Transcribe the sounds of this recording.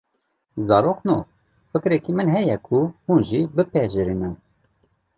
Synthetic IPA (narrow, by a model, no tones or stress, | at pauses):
zɑːɾoːqno̰ː | fɨkɾɛkimɨnɦɛjɛkʰuhuːnʒibɨpɛʒɨɾimɨn